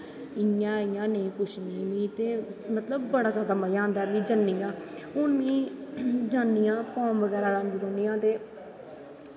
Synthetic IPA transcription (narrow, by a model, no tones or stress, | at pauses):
ɪjãːɪjãːneːkʊʃniːʋĩːt̪eːmət̪ləbːəɽaːzjaːd̪aːməjãːnd̪aːbĩːd͡ʒənːijãː | ʊnʋĩː | d͡ʒaːnːijãːpʰɔːɾmʋəɡɛːɾaːlãːnd̪iːɾoːnijãːt̪eː